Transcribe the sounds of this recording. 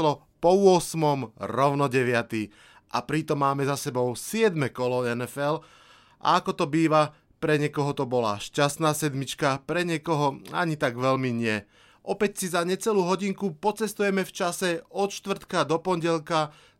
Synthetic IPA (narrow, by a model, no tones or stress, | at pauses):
lɔ | pɔʊɔsmɔmɾɔʊnɔɟɛʋɪat̪iː | ʔa̰pɾit̪ɔmːaːmɛzasɛbɔʊsɪɛd̪mɛkɔlɔɛnɛfɛl | ʔa̰akɔt̪ɔbiːʋa | pɾɛɲɛkɔɦɔt̪ɔbɔla̰ʃcast̪naːsɛd̪mit͡ʃkapɾɛɲɛkɔɦɔa̰ɲit̪aɡʋɛʎmiɲɪɛ | ʔɔpɛcsizaɲɛt͡sɛluːɦɔɟiŋkupɔt͡sɛst̪ujɛmɛft͡ʃasɛɔt̪ʃt̪ʋr̩t̪kad̪ɔpɔɲɟɛlka